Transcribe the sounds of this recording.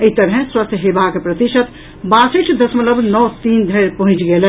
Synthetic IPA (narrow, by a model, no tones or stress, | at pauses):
əɦit̪əɾɦɛ̃swəst̪ʰjəɦebakepɾət̪iʃət̪ | baseʈʰd̪əsmələbnɔːt̪ind̪ʱəjɾpəɦũt͡ʃɡelɛ